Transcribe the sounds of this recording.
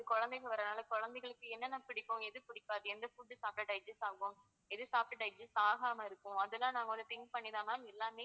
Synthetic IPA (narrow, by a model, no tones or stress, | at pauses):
ðɯkɔɻɐnd̪ɛɪɣɐʋɐɾɐnaːlɐkɔɻɐnd̪ɛɪɣɐɭɯkːɯɛnːɐnaːpɪɽɪkːʊ̃ɛðɯpʊɽɪkːaːɾɯɛnd̪ɐfʊɖ̪ːɯsaːp̚ʈɐʈɐɪd͡ʒɛsaːɣʊ̃m | ɛðɯsaːp̚ʈɐɖɐɪd͡ʒɛsaːɣaːmɐɪɾɯkːʊ̃ɐðɛlːãːnaːŋɡɐɐnɯt̪ɪŋkpɐɳːɪðãːmaːɪlːaːmeː